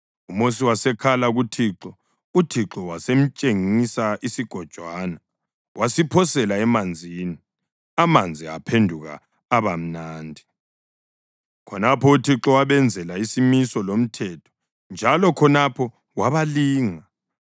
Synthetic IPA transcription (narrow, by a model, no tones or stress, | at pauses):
umos̬iwasɛkʰalaɣutʰiǁɔ | utʰiǁɔwasem̩t͡ʃʼeŋisaʔisiɡ̥ʱɔd̥ʒ̥ʱwana | wʔasipʰɔsɛlaɛmand͡zʱiːni | amand͡zʱia̰pʰendʱuɣa̰ː | βam̩naːndʱi | kʰɔnapʰɔutʰiǁɔwaβɛnd͡zʱɛlaisimisɔlom̩tʰɛtʰɔ̥ | nd͡ʒʱalɔkʰɔnapʰɔ | waβaliːŋa